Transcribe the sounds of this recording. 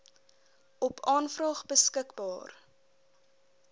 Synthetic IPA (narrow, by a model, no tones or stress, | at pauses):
ʔɔpʰɑːnfrɑːχbəskəkbɑːr